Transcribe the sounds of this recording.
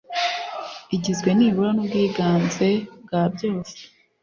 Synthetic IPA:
iɟizɡwe̞niːβuɾanobɡiːɡaːnze̞bɡabɟo̞ːse̥

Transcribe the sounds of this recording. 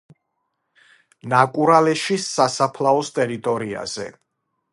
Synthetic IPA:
nakʼuɾalɛʃisasapʰlaɔst̪ʼɛɾit̪ʼɔɾia̰z̥ɛ̰

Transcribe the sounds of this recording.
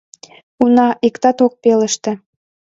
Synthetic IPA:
unɑʔikt̪ɑt̪ok̚pelə̆ʃt̪ĕ

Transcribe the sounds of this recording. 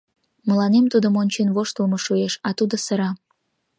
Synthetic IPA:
mə̆lɑnemt̪ud̪omonʲt͡ɕenβoʃt̪əlmoʃueʃɑt̪ud̪osəɾɑ

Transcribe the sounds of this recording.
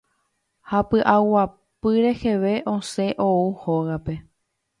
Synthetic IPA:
hapɨʔawa | pɨɾe̞he̞ʋe̞ʔõ̞se̞ʔouhoɣape̞

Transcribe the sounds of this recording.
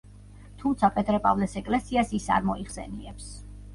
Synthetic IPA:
t̪ʰumt̪sʰapʼɛt̪ʼɾɛpʼavlɛsɛkʼlɛsiasisa̰ɾmɔiχsɛ̰niɛps

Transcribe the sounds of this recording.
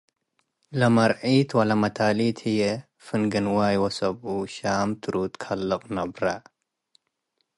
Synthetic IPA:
lɐmɐɾʕit̪wɐlɐmɐt̪ʰalit̪ʰhijɛ | fɨnɡɨnwaːjwɐsɐbʔuʃaːmt̪ʰɨɾut̪kʰɐlːɨqʼnɐbɾa

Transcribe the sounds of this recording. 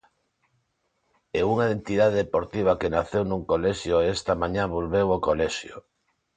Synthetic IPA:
euŋaðent̪ið̞aðeðepoɾt̪iβ̞akenaθewnuŋkoleʃjoest̪ɐmãɲãβolβewokolɛʃjo̰

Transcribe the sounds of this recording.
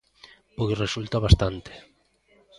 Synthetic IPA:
pojsresult̪aβast̪ant̪e̥

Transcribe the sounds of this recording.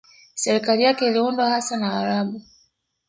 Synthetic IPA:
sɛɾikalijakɛiliundwahasanaaɾabu

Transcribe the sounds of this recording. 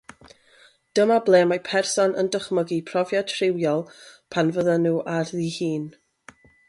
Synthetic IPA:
d̥əmablˠeːmajpʰɛrsɔnə̰ndəχməɡipʰrɔvjatʰrɪwjɔlˠpʰanvəðanuːʔarðihiːn

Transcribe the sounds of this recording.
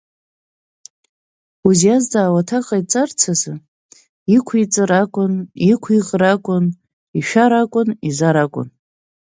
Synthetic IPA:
uzjazdaːwatʰaqʼait͡sʼart͡sʰazɨ | ikʷʰit͡sʼɨɾakʷʼʊnikʷʰiʁrakʷʼʊn | iʃᶣaɾakʷʼʊnizaɾakʷʼʊ̰n

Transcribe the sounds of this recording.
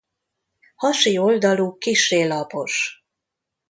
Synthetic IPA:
hɒʃio̞ld̪ɒluːkiʃːeːlɒpo̞ʃ

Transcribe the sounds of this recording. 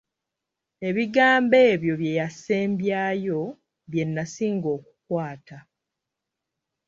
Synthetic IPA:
e̞βiɡaːmbe̞ːβjo̞βje̞jase̞ːmbjaːjo̞ | βje̞nːasiːŋɡo̞ːku̥kwaːta

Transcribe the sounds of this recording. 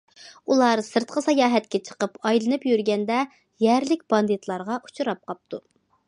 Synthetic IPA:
ulˠɑɾsɨɾt̪̚qʰəsɑjɑːɦɛt̪kʲɛt͡ʃʰə̥qəpɑjlˠɨnɨpjyɾɡʲɛnd̪ɛ | jɛɾlɪkʲb̥ɑnd̪it̪lˠɑɾʁɑʔu̥t͡ʃʰuɾɑp̚qʰɑp̚t̪ʰu

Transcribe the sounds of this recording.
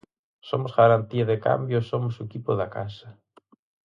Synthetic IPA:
somosɣɐɾɐnt̪iɐðeka̰mbjosomosucipoðɐka̰sɐ

